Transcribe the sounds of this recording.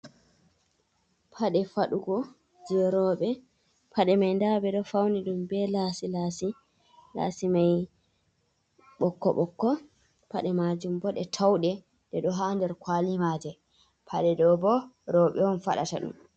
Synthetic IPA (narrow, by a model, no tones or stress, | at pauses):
pʰaɗɛfaɗuɡɔ | d͡ʒiɔɾɔːɓɛ | pʰaɗɛmajndabɛɗɔfawniɗumbɛlasilaːsi | la̰ːsimaj | ɓɔkːɔ̰ɓɔkːɔ | paɗɛmad͡ʒumbɔɗɛtʰawɗɛ | dɛɗɔɦandɛɾkwaːlimaːd͡ʒɛ | pʰaɗɛdɔbɔɾɔːɓɛɔnfa̰ɗa̰ta̰ɗṵm